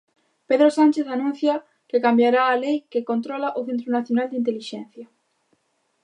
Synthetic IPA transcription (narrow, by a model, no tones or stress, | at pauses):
peðɾosant͡ʃeθanũn̟θja | kɪkambjaɾaːlejkekont̪ɾɔlaʔʊθent̪̬ɾunaθjonald̪int̪eliʃẽnθjɐ